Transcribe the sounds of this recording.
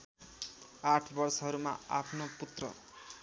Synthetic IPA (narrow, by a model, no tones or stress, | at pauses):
aʈʰbʌrsʌɦʌɾuma̰apʰnoput̪rʌ̰